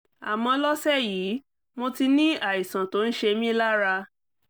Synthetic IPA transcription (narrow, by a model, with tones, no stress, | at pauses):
a˨mɔ̃˧lɔ˦sɛ˦˨jiː˨˦ | mo˧ti˧nĩ˦a˦˨i˨sã˨to˨˦n̩˦ʃe˧mĩ˦la˦ɾa˧